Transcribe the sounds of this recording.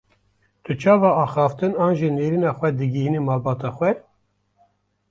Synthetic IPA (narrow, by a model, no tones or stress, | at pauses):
t̪ɨt͡ʃʰɑːvɑːɑːxɑːft̪ɨnɑːnʒineːɾiːnɑːxʷɛd̪ɨɡihinimɑːlbɑːt̪ɑxʷɛ